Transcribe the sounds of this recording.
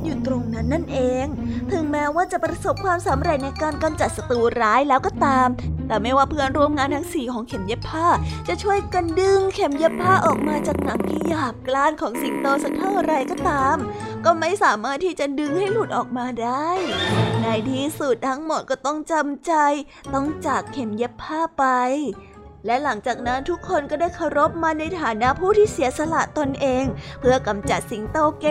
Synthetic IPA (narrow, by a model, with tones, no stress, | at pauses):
juː˨˩t̪ɾo˧ŋna˦˥nːa˥˩nʔeː˧ŋt̪ʰɯ˨˩˦ŋmɛː˦˥waː˥˩t͡ɕa˨˩pɾa˧so˨˩p̚kʰwaː˧msa˨˩˦mɾe˧˩t̪̚na˧jkaː˧nka˧mt͡ɕa˨˩t̪̚sa˧t̪uː˧ɾaː˦˥jlɛː˦˥wkɔː˧˩t̪aː˧mt̪ɛː˨˩ma˥˩jwaː˥˩pʰɯ˥ə˨nɾu˧əmŋaː˧nt̪ʰa˦˥ŋsiː˨˩kʰɔː˩˦ŋkʰe˩˦mje˦˥pʰːaː˥˩t͡ɕa˨˩t͡ɕʰu˥˩əjka˧ndɯ˧ŋkʰe˩˦mje˦˥ppʰːaː˥˩ʔɔː˨˩k̚maː˧t͡ɕaː˨˩k̚na˨˩˦ŋt̪ʰi˧jaː˨˩p̚klaː˥˩nkʰɔː˩˦ŋsi˨˩t̪oː˧sa˨˧˥kt̪ʰa˥˩ŋ˧ɾa˧jkɔː˥˩t̪aː˧mkɔː˥˩ma˥˩jsaː˨˩˦maː˥˩t̪ʰːiː˥˩t͡ɕa˨˩dɯ˧ŋha˥˩jluː˨˩t̪̚ʔɔː˨˩k̚maː˧daː˥˩jna˧jt̪ʰiː˥˩su˨˩t̪̚t̪ʰa˦˥ŋmo˨˩t̪̚kɔː˥˩t̪ɔ˥˩ŋt͡ɕa˧mt͡ɕa˧j | t̪ɔ˥˩ŋt͡ɕaː˨˩kʰːe˨˩mje˦˥pʰːaː˥˩pa˧j | lɛ˦˥la˩˦ŋt͡ɕaː˨˩k̚na˦˥nt̪ʰu˦˥kʰːo˧nkɔː˥˩daː˥˩jkʰa˧˩wɾo˦˥p̚maː˧na˧jt̪ʰaː˨˩˦na˦˥ʔpʰuː˥˩t̪ʰiː˥˩si˨˩˦sa˧la̰˨˩ʔt̪o˧nʔeː˧ŋpʰɯ˧˥˩ɐka˧mt͡ɕa˨˩t̪̚si˨˩˦ŋt̪oː˧ke˧